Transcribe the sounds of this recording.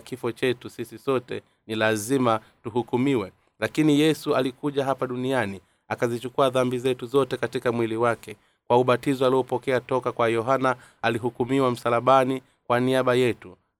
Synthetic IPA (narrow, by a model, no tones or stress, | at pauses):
kifɔt͡ʃɛtusisisɔtɛ̰ | nilazima | tuɦukumiwɛ | lakinijɛsualikuʄaɦapaɗuniani | akazit͡ʃukuaðambizɛtuzɔtɛkatikamwiliwakɛ | kwauɓatizɔaliɔpɔkɛatɔkakwajɔɦana | aliɦukumiwam̩salaɓani | kwaniaɓajɛtu